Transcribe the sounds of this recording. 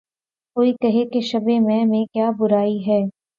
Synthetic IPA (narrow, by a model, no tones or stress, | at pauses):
koːikɐɦekeʃɐbemɛ̃mẽkjaːbʊɾaːiɦɛː